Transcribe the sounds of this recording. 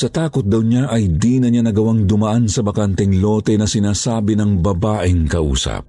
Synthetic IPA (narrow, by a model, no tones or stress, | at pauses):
sɐt̪aːkot̪̚d̪ɐwɲaʔɐjd̪iːnɐɲanɐɡɐwaŋd̪ʊmɐʔansɐbɐkant̪ɛŋlo̞ːt̪ɛnɐsɪnaːsaːbɪnɐŋbɐbaːʔɪŋkɐʔṵːsɐ̰p̚